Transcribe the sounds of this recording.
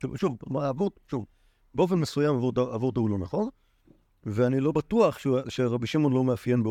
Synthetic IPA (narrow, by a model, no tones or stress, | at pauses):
uʃuvmaavodʃuv | beo̞fe̞nmesujamavodaavoʁt̪aulonaχo̞n | veanilo̞batuaχʃeʃeʁabiʃimo̞nlo̞meafje̞nbe